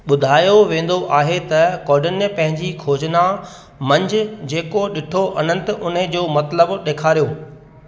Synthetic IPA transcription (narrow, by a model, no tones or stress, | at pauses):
ɓʊd̪ʱaːjoʋẽːn̆d̪oʔaːɦet̪ɐkɔːɖɪnpɐ̃ɦɪ̃ɲd͡ʑikʰoːd͡ʑna | mɐ̃ɲd͡ʑʊd͡ʑeːkoɗɪʈʰoʔɐnə̃nt̪ʊnɪd͡ʑoːmɐt̪ləbɗeːkʰaːɾijoː